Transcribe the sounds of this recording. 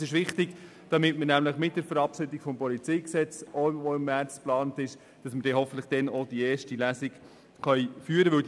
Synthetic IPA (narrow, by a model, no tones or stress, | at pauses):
sɪʃʋɪχtɪɡ | d̥ɑmɪtməɾnæmləχmɪt̚d̥ɛɾfəɾɑpʃɪdɪkfɔmpɔlit͡sijksɛt͡sooɪmːært͡splɑːntɪʃ | d̥ɑsməɾdɛːɦɔfn̩tləχd̥ɛnɔd̥iɛːʃtilæːsɪk | χœjfyːəɾəʋɪw